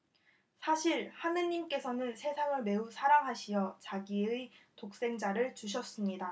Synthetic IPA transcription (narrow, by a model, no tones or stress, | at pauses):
sʰaɕʰiɾhanɯɲːimk͈e̞sʰʌnɯnsʰe̞sʰaŋɯɭme̞usʰaɾaŋɦaɕʰijʌt͡ɕaɡiɯtok̚s͈e̞ŋd͡ʑaɾɯɭt͡ɕuɕ̬ʰʌs͈ɯmɲida